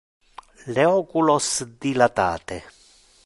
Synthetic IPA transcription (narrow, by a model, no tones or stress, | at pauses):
lɛɔkulɔsd̪ilat̪a̰ːt̪ɛ